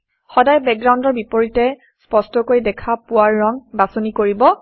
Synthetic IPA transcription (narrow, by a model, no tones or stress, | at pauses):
xɔdajbɛkɡɹaw̃ndɔɹbipoɹitɛ | spɔstɔkojdɛkʰapʊwaɹːɔŋbasonikoɹibɔ